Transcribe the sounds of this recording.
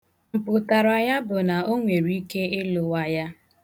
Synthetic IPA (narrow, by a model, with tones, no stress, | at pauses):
m̩˨pʊ˨ta˨ɾa˨ja˦bʊ˨na˨o˦ŋʷe˨ɾi˦ke˦ɪ˦lʊ˨wa˦ja˦